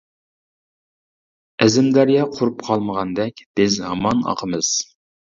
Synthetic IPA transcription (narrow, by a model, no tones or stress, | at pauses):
ɛzɪmd̪æɾjɛqʰʊɾupqʰɑlˠməʁɑnd̪ɛkʲd̪̥ɪzɦɑmɑnɑ̰qʰəmɨz̥